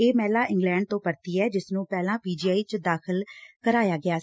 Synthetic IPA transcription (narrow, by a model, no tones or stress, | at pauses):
eːmɛːlaːʔɪ̃ŋɡlɛ̃ːɳɖ̚t̪õːpəɾt̪iːɛːd͡ʒɪsnũːpɛːlãːpiːd͡ʒiːaːiːt͡ʃd̪aːkʰɪlkəɾaːjaːɡɪaː